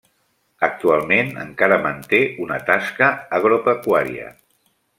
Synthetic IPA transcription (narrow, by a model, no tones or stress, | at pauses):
ək̚t̪ualˠmenə̰ŋkaɾəmənt̪eunət̪askəːɣ̞ɾopəkwaɾiə̰